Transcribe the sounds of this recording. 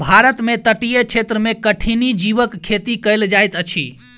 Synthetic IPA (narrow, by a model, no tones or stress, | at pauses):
bʱaɾət̪met̪əʈijət͡ʃʰet̪ɾəmekəʈʰinid͡ʒiʋəkkʰːet̪ikəjld͡ʒajt̪ət͡ʃʰḭ